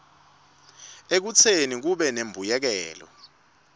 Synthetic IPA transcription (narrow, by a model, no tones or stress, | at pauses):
ek̬ut͡sʰenik̬uɓɛnembʱujɛk̬ɛːlɔ̰